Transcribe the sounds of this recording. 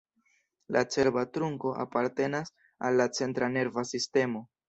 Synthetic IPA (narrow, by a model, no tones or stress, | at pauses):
lat͡se̞ɾbatɾuŋko̞ʔa̰paɾte̞nas | alːat͡se̞ntɾane̞ɾvasiste̞mo̞